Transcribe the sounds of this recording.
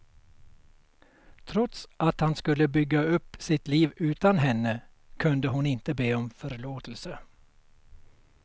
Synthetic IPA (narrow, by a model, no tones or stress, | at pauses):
t̪ʰɾɔt̪sʔat̪hanskɵlːəbʏɡːaɵpːsɪt̪liːvʉ̟ːt̪anɦɛnːə | kʰɵnd̪əɦʊnɪnt̪əbeːɔmfœɾɭoːt̪əlsə